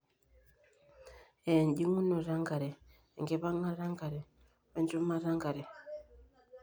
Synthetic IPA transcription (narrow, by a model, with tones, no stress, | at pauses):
ɛ˨n˨di˦ŋu˦nɔ˨ɾa˦ŋɡa˨ɾɛ˨ | ŋɡɛ˨βa˦ŋa˦ɾa˦ŋɡa˨ɾɛ˨ | βa˦nd͡ʒɔ˦ma˦ɾa˦ŋɡa˨ɾɛ˨